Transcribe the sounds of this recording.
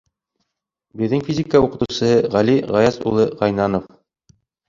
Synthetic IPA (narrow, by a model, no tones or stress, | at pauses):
bɘ̆ðːɘŋfʲizʲikəuqɤ̆t̪usɤɤʁæliʁɑjɑzṵlˠɤʁɑjnɑnof